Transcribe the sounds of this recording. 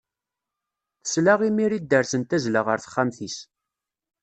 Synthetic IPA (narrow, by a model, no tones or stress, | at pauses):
θə̥slaʁimiɾid̪ːəɾsənt̪æzləʁəɾθə̥χːæmθis